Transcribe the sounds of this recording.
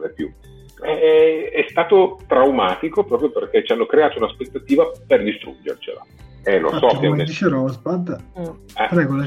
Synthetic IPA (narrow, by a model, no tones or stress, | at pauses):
epjṵ | ɛɛst̪aːt̪ot̪ɾawmaːt̪ikopɾɔːpɾjoperk̟et͡ʃːianːokɾeaːt̪ounaspet̪ːat̪iːvaperd̪ist̪ɾṵd͡ʒḛrt͡ʃḛla̰ | elo̰asɔked̪it͡ʃeɾɔsbad̪ | ɛrɛɡola